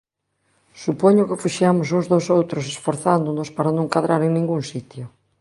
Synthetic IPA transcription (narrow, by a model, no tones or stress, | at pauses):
supoɲʊkɪfuʃjamʊs̬ozðosowt̪ɾʊs̬esfoɾθand̪onospaɾanõŋkaðɾaɾeŋnĩŋɡuŋsit̪jʊ